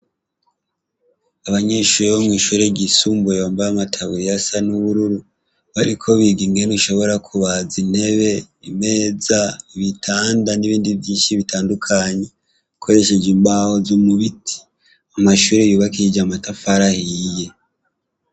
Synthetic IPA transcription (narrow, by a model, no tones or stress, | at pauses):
aβaɲe̞ːʃuːɾeβomŋiːʃuːɾe̞ɟisuːmbujoːmbaamatʰaβujasanuβuɾuɾu | βaɾikʰo̞βiɡiŋɡeniʃo̞βo̞ɾakʰuβazine̞βe̞ | ime̞ːzaiβitʰaːndaniβiːndivjiːnʃiβitʰaːndukʰaɲe̞ | kʰo̞ɾe̞ʃe̞d͡ʒimbahozomuβiti̥ | amaʃuːɾejuːβakiid͡ʒamatafaɾahije̞